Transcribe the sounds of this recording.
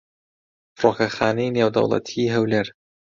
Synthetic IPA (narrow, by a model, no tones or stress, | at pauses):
froːkɐxaːnejneːwd̪ɐ̰wlˠɑ̰t̪ʰiɦɐwleɾ